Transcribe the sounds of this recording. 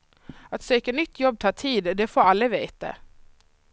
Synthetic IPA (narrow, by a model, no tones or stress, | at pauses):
at̪søːkanʏt̪ʰːjɔb̚ːt̪ʰɑːt̪ʰiːd̪d̪ɛfoːɾalːɪveːt̪a̰